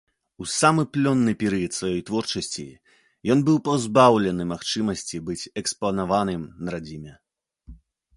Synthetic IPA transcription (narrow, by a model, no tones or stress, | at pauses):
usamɨplʲɔnːɨpʲɛɾɨjɐt̪svajɔjt̪vɔrt͡ʂɐsʲt͡sʲḭ | jɔnbɨwpawzbawlʲɛnɨmaxt͡ʂɨmɐsʲt͡sʲibɨt͡sʲɛksplˠɐnavanɨmnɐɾad͡zʲimʲɛ